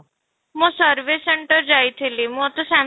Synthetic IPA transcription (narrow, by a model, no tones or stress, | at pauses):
mõsəɾʋeseɳʈəɾd͡ʒajt̪ʰilimũɔt̪ɔsa